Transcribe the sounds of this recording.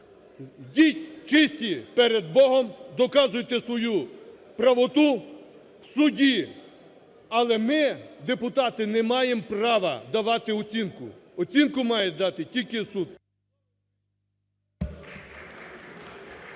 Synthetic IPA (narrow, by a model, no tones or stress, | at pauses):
dʲitʲt͡ʃɪsʲtʲipɛɾed̪̚bɔɦɔmd̪ɔkɑzʊjt̪ɛsʋɔju | pɾɐʋɔt̪u | wsʊdʲi | ɐlˠɛmɪd̪epʊt̪ɑt̪ɪnɛmɑjemprɑʋɐd̪ɐʋɑt̪ɪɔt͡sʲinkʊ̰ɔt͡sʲinkʊmɑjɛd̪ɑt̪ɪtʲilʲkɪsud̪̚